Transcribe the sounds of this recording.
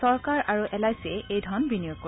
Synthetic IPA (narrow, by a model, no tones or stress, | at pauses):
sɔɹkaɹaɹuʔɛlajsɛejdʱɔnbinijoko